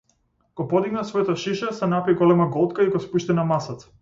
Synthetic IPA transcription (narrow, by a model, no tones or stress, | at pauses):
kɔpɔd̪iɡnasvɔjat̪aʃiʃɛsɛnapiɡɔlɛmaɡɔlˠt̪kaiɡɔspuʃt̪inamasat̪s